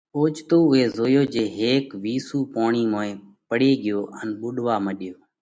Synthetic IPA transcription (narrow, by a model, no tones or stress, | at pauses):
oːt͡ʃt̪oːʊɦeːzoːjoːd͡ʒeːɦeːkʋiːsuːpoːɳiːmõːẽː | pəɽeːɡɪjoːʔənɓʊɗʋaːməɗɪjoː